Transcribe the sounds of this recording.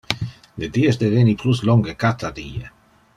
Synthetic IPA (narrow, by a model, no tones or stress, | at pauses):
led̪iesd̪evenipluslɔŋɡekat̪ʰad̪iːe